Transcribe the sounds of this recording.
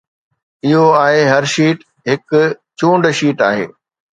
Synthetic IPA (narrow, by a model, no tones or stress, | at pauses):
ɪɦoaːɦeɦɐɾʃiːʈ | ɦɪkʊt͡ɕũːɳɖʃiːʈaːɦḛː